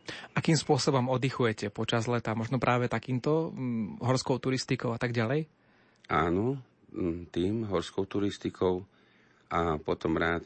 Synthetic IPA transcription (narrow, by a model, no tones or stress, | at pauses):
ʔakiːmspʊɔsɔbɔmɔd̪ixujɛcɛpɔt͡ʃazlɛt̪aːmɔʒnɔpɾʔaːʋɛt̪akiːmt̪ɔɦɔɾskɔʊt̪uɾist̪ikɔʊat̪aɡɟalɛj | aːnɔ | t̪iːmɦɔɾskɔʊt̪uɾist̪ikʰɔʊ | ʔapɔt̪ɔmɾaːt̪